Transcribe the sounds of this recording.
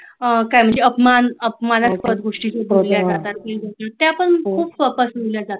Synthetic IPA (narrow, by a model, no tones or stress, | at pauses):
kajm̤əɳd͡zeəpmanəpmanaspət̪̚ɡʱoʂʈiːsuboɾljaat̪at̪keɡoʈnat̪ːaapəɳkʰuːbfəkəsmiljad͡zat̪a